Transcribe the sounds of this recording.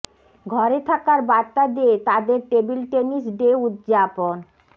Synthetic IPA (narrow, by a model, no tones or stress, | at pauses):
ɡʱɔɾet̪ʰakaɾbaɾt̪ːad̪eet̪ad̪eɾʈebilʈenisɖeut̪d͡ʑapon